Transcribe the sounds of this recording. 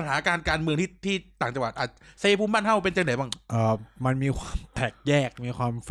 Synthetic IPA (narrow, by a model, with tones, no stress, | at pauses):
a˧nɦaː˩˦kaː˧nkaː˧nmɯ˧əŋt̪ʰi˥˩t̪ʰiː˥˩t̪aː˨˩ŋt͡ɕa˧ŋwa˨˩t̪̚ʔaː˨˩sːpʰuː˧mbaː˥˩nɦa˥˩wpe˧nt͡ɕa˧na˨˩˦baː˥˩ŋʔəː˨˩ma˧nmiː˧kʰwaː˧mt̪ʰɛː˨˩k̚jɛː˥˩k̚miː˧kʰwaː˧mf